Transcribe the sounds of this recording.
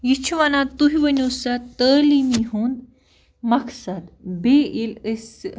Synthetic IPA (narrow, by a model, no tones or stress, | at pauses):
jit͡ʃʰuʋanat̪ːuɦiʋənʲusɐt̪ːəlimiɦun | mɐksɐd̪beiləs